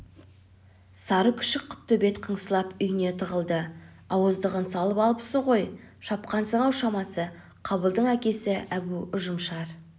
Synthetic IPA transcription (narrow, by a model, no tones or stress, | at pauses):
sɑɾəkʲʰʏ̥ʃɪk̚qʰːʊ̥t̪ːɵbe̞t̪qʰəɴsəlˠɑpʏjɪne̞t̪ʰəʁəlˠd̪ə | ɑwəzd̪əʁənsɑlˠəpɑlˠəpəʊ̥səʁo̞jʃɑp̚qɑnsəɴɑwʃɑmɑsə | qʰɑbəlˠd̪əɴækʲe̞sɪʔæbuʊʒəmʃɑɾ